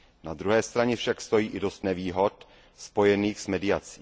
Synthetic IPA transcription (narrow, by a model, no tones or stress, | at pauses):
nad̪ɾuɦɛːst̪ɾaɲɛfʃakst̪o̞jiːʔɪdo̞st̪nɛviːɦo̞t̪ | spo̞jɛniːxsmɛdɪat͡si̥ː